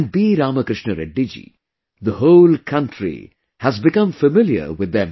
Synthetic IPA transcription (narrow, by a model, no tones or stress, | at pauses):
ɳɖ̚biɾaːməkɾɪʃnəɾɛɖid͡ʒḭ | d̪əhoʊlkʰʌ̃nʈʰɾḭ | hæzbɪkʌ̃mfəmɪljə̰ɾwɪdðːɛ̃m